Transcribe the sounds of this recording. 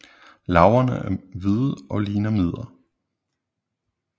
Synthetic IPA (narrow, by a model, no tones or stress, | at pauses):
lɑ̈ʊɐnə̰æɐʋiðˠʔɒ̽liːnɐmið̰ˠɐ